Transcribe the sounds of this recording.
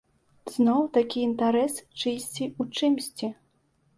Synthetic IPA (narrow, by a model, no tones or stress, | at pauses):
z̥nɔwt̪akʲiːnt̪aɾɛst͡ʂɨsʲt͡sʲiut͡ʂɨmsʲt͡sʲi